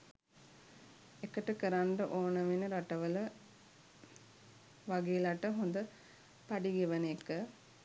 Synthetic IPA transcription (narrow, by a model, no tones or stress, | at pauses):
ekəʈəkəɾaɳɖɐʔoːnɐʋinɐɾaʈɐʋələ | ʋaɡeːlaʈəɦond̪ə | paɖiɡeʋɐnekːə